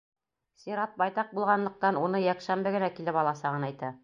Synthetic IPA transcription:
sʲiɾɑt̪̚bɑjt̪ɑq̚bulˠʁɑnlˠɤ̆q̚t̪ɑnunɤjækʃæmbɘɡɘ̆nækilɘpɑlˠɑsɑʁɤnæjt̪æ

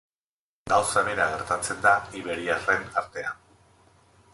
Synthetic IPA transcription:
ɡawsaβe̞ɾaɣe̞ɾt̪at͡se̞nd̪aiβe̞ɾiare̞naɾt̪e̞a

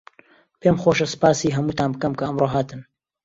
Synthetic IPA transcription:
pʰemχoʃɐsɨ̥paːsiɦɐmuːt̪aːnbɨkɐmkɐɐmroɦaːt̪ɨn

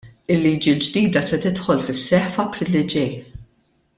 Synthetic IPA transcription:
ɪlːiːd͡ʒild͡ʒd̪iːd̪ɐsɛt̪ɪt̪ħɔlfɪsːɛħfɐpɾɪlːid͡ʒɛj

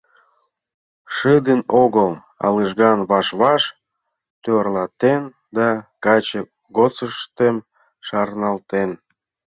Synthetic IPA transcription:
ʃɨd̪ənoɣəl | ɑ̰ləʒɣɑnβɑʃβɑʃ | t̪ørlɑt̪en | d̪ɑkɑt͡ɕe | ɡot͡səʃt̪em | ʃɑrnɑlt̪en

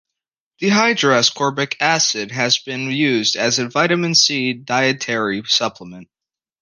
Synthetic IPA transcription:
ðɨɦaɪdɹɑskʰɔɹbɨkʰæsɪd̚ɨzbɨ̃njʉzdɨzɨvaɪɾɨmɨ̃nsidaɪɨtʰɛɹisʌpʰləmɨ̃nt̚

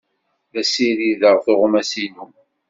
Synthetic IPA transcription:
ðæsiɾiðəʁθɪʁʊmæsinu

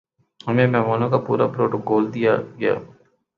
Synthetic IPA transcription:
ɦɐmẽmɛːmaːnõkapṵːɾapɾoːʈoɡoːld̪ijaɡɐja̰ː

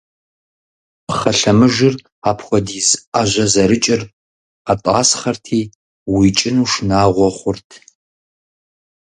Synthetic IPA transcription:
pχɐɬɐmɨʒɪr | aːpʰxʷɔdiːzaʒʷɐzɐɾɨt͡ʃʼɪr | atʼa̰ːsχɐrtʰiː | wit͡ʃʼɪnuːʂnaːʁʷɔχʷʊrtʰ

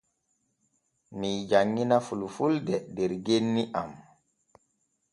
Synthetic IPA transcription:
mid͡ʒaŋːinafulufuldɛdɛɾɡenːiʔam

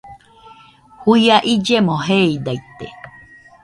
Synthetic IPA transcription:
hujaʔid͡ʒemõɦeid̪ait̪ḛ

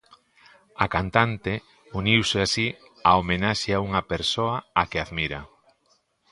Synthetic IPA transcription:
akant̪ant̪e | uniwseasi | aomenaʃeauŋɐpeɾsoɐakeaðmiɾɐ

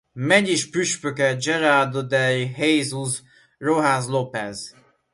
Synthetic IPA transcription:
mɛɟiʃpyʃpøkɛd͡ʒɛɾard̪od̪ɛjɦejzuz | roɦazlopɛz

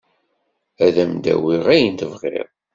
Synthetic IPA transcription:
æðæmd̪æ̰wiʁæjənt̪əvʁḛʁˤ

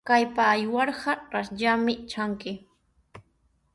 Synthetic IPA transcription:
kajpaːjwɑɾɢɑɾasʎamɪt͡ʃaŋkɪ

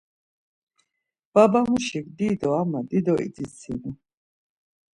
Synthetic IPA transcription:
b̥abamuʃikd̪id̪ɔamad̪id̪ɔʔḭd̪isʰḭn

